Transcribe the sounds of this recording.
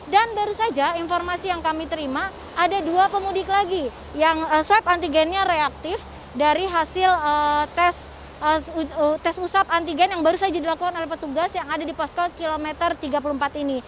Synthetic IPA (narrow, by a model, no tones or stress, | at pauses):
danbaɾusad͡ʒainformasijaŋkamit̪əɾimaː | daduapəmudɪklaɡi | jaŋəswɛpant̪iɡɛnɲaɾeak̚t̪ɪf | daɾiɦasɪlət̪ɛs | ət̪ɛsusap̚ant̪iɡɛnjaŋbaɾusad͡ʒadilakukanolɛhpət̪uɡasjaŋadadipaskalkilomɛt̪ərt̪iɡap̬ulumpat̪ini